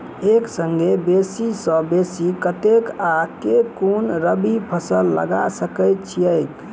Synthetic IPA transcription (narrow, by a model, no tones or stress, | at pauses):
eksəŋɡebesisə̃besikət̪ekakekonɾəbipʰəsəlːə̰ɡa̰səkəɪt̪̚t͡ʃʰiəɪk